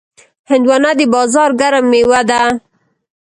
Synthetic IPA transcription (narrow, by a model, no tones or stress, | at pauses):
hɪnd̪wɑnad̪əbɑzɑɾɡaɾamːewad̪a